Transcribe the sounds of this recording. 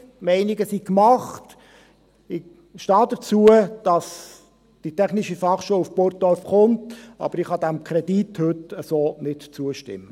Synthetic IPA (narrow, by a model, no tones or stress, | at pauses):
mɛɪnɪɡəsikmɑχt | ɪ | ʃtɑːdət͡suəd̥ɑs | d̥itɛχnɪʃifɑχʃoːwufpoɾt̚dɔɾfχʊntʔɑ̰bəɾɪχhɑdæmkʰɾɛdithɵtəsoːnɪtt͡suəʃtɪ̰mːə